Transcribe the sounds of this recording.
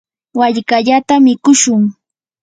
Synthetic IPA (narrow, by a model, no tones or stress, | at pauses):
waʎkaʎat̪amɪkʊʃʊŋ